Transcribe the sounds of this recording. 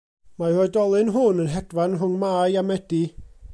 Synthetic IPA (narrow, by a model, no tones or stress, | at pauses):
marɔɨdɔlˠɨnɦʊnənɦɛd̥vanrʊŋmaːɨamɛd̥i